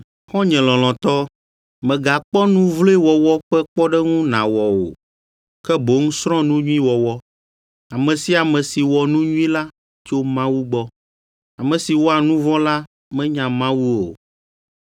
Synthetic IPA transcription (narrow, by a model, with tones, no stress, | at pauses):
xɔ̃˦ɲɛ̃˨lɔ̃˨l̃ɔ̃˨t̪ɔ˦ | mɛ̃˨ɡa˨k͡pɔ˦nũ˦vlo˦wɔ˨wɔ˦ɸɛ˦k͡pɔ˦ɖɛ˦ŋũ˦nã̰˨wɔ˨o̰˨ | kɛ˦bo˨˦ŋũ˦sɾɔ̃˦nũ˦ɲũ˦ĩ˦wɔ˨wɔ˦ | a˨mɛ̃˨si˦a˨mɛ̃˨si˨wɔ˨nũ˦ɲũ˦ĩ˦la˦ | t͡ʃo˦mã˦wu˦ɡ͡bɔ˦ | a˨mɛ̃˨si˨wo˦a˨nũ˦vɔ˦la˦ | mɛ̃˦ɲã˨mã˦wu˦o˨